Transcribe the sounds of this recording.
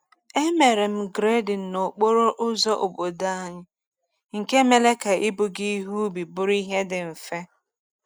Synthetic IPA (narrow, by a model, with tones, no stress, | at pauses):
e˦me˨ɾe˨m̩˦ɡɾe˦dɪ˨n̩˨no˨k͡po˦ɾo˦ʔʊ˦zɔ˦ʔo˨bo˨da˦a˦ɲɪ˦ | ŋ̩˨ke˦me˨le˦ka˨ʔi˦bʊ˨ɡi˦ɦu˦bi˨bʊ˦ɾi˦ɦe˦dɪ˨m̩˨fe˦